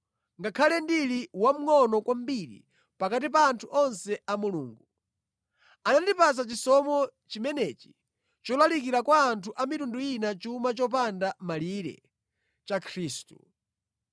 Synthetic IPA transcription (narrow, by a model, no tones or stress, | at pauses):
ŋɡakʰalɛndiliwam̩ŋɔnɔkwam̩biɾḭ | pakatipaːntʰuʔɔnsɛamuluːŋɡu | anandipas̬at͡ʃisɔmɔt͡ʃimɛnɛt͡ʃi̥ | t͡ʃɔlalikiɾakwaːntʰuʔamitunduinat͡ʃumat͡ʃɔp̬andamaliɾɛ̰ | t͡ʃakʰɾiːstṵ